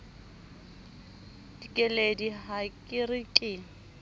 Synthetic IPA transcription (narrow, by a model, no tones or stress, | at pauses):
d̥ikʼɛlediɦakʼɪrɪkʼɪ